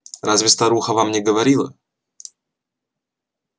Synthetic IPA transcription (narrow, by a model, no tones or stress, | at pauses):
ɾazvʲɪst̪ɐɾuxəvamnʲɛɡəvɐɾʲilˠə̰